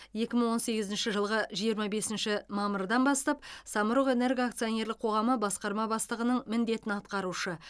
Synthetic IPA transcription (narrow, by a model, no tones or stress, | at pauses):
je̞kʲɪməɴwo̞nse̞ɡʲɪzɪnʃɪʒəlˠʁəʒijəɾmɑbe̞sɪnʃɪmɑməɾd̪ɑnbɑst̪ɑp̚sɑməɾəʁe̞ne̞ɾɡʲak̚t̪sio̞ne̞ɾlɪk̚qʰo̞ʁɑməbɑsqɑɾmɑbɑst̪əʁənəɴmɪnd̪e̞t̪ɪnɑt̪̚qɑɾuʃə